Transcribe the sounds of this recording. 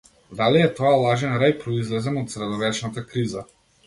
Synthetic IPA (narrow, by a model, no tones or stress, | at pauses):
d̪aliɛt̪ɔalˠaʒɛnɾajpɾɔizlɛzɛmɔt̪sɾɛd̪ɔvɛt͡ʃnat̪akɾiza